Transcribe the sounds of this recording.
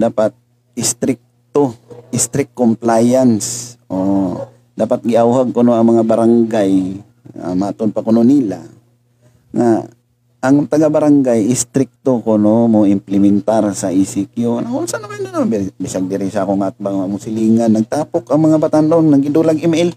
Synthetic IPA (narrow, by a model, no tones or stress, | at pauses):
d̪aːpat̪̚ | ɪst̪ɾɪk̚t̪oʔɪst̪ɾɪkːomplajansʔo | d̪aːpat̪̚ɡɪʔawhaɡ̚kʊnoɐŋmɐŋabaɾaŋɡaj | a̰maːt̪ʊnpakʊnonila̰ | ŋa | ʔːŋt̪ɐɡabaɾaŋɡajɪst̪ɾɪk̚t̪okonomoʔɪmplɪmɛnt̪aɾsaʔisɪkjonaŋʊnsanamanonobbɪsaɡ̚d̪ɪɾɪsakoŋaʔat̪̚baŋamʊsɪliːŋanːɐɡ̚t̪aːpokɐŋmɐŋabat̪anonnaŋɡɪd̪ulaɡɪmɛl